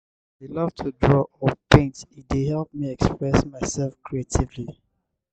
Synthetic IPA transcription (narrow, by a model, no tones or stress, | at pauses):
alʌvtʰudɹɔʔɔpʰẽntidehɛlˠp̚miɛkspɹɛsmaɪsɛlˠfkʰɹietʰivli